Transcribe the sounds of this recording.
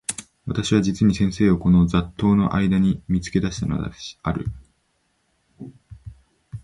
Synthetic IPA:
βat̪aɕiβad͡ʑit͡sɨɲ̟isẽ̞ɰ̃se̞ːoko̞no̞d͡zat̪ːo̞ːno̞̰ʔaid̪aɲ̟imʲit͡sɨ̥ke̞d̪aɕi̥t̪ano̰d̪a̰aɾɯ̟̰

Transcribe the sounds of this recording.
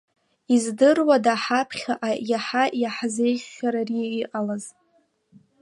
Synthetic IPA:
izdɨrwadaħapʰχʲaʔajaħajaħze̞jχʲːaɾariiqʼalaz

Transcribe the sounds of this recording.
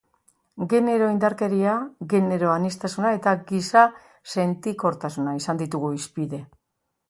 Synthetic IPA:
ɡe̞ne̞ɾo̞ind̪aɾke̞ɾiaɣe̞ne̞ɾo̞anist̪asunae̞t̪aɡisa | se̞nt̪ikoɾt̪asunaisand̪it̪uɣuispiðe̞

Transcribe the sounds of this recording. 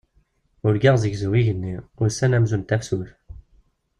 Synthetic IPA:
uɾɡaʁzikzuiʝənːiusænæmzunt̪æfsuθ

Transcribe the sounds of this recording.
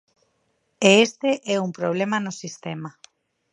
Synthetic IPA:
eest̪eʔɛumpɾoβ̞lemanosist̪ema

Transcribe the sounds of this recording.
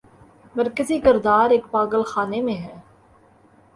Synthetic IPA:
məɾkəziːkɪɾd̪aːɾeːkpaːɡəlxaːnemẽːɦɛː

